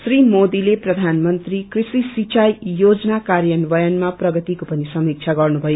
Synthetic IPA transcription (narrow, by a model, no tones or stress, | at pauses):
srimod̪ileprʌd̪ʱanmʌnt̪rikrisisit͡ʃajjod͡zʌnakarjʌnbʌjʌnmaprʌɡʌt̪ikopʌnisʌmik̚t͡ʃʰaɡʌrnubʱʌjo